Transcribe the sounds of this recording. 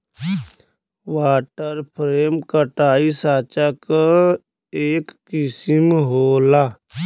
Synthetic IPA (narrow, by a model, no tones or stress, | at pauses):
waːʈəɾpʰɾeːmkəʈaːisaːt͡ʃak | eːkːɪsimɦoːlaː